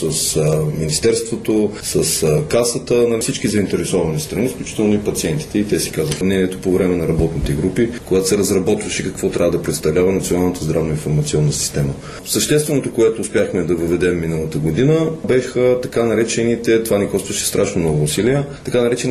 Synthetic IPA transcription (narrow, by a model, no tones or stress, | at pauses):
səsminist̪ɛɾst̪vot̪osəskasət̪ənɐfsit͡ʃkizəint̪ɛɾɛsɔvɐnist̪ɾɐnifklʲut͡ʃi̥t̪ɛlˠnoipɐt̪siɛnt̪i̥t̪ɛit̪ɛsi̥kazvəxəmnɛniɛt̪opovɾɛmɛnɐɾɐbɔt̪nit̪ɛɡɾupikoɡat̪o̥sɛɾɐzɾɐbɔt̪vəʃɛkɐkvɔt̪ɾʔavəd̪ɐpɾɛt̪st̪ɐvlʲavɐnɐt̪sionalˠnət̪əzd̪ɾavnoĩnfoɾmɐt̪siɔnːəsi̥st̪ɛmə | səʃt̪ɛst̪vɛnot̪okoɛt̪oːspʲjaxmɛd̪ɐvəvɛd̪ɛmːinəlˠət̪əɡod̪inəbɛxət̪ɐkanɐɾɛt͡ʃɛnit̪ɛt̪ovanikɔst̪vəʃɛ̥st̪ɾʔaʃnomnɔɡʊːsiliɛt̪ɐkanɐɾɛt͡ʃɛn